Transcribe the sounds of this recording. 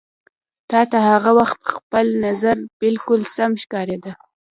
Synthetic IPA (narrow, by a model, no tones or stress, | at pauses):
t̪ɑt̪ahaɣawaxt̪xpəlnazaɾb̥ɪlkʊlsamʃkɑɾed̪a